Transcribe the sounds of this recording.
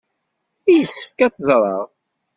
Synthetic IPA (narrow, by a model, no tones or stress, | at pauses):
ijlsːə̥fkæt͡sːzˤɾˤɑ̰ʁ